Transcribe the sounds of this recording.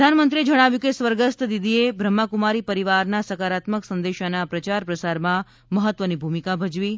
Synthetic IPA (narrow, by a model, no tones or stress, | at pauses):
anmənt̪ɾied͡ʒəɽ̃aʋjukesʋəɾɡəst̪d̪id̪iebʱɾəmːakumaɾipəɾiʋaɾnasəkaɾat̪məksənd̪eʃanapɾət͡ʃaɾpɾəsaɾmã | məɦət̪ːʋənibʱumikabʱəd͡ʒʋi